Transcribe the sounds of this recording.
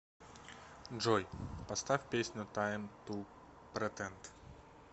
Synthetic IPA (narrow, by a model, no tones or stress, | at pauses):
ʐɔjpɐst̪afʲpʲesʲnʲʊt̪ajmt̪u | pɾɛt̪ɛnt̪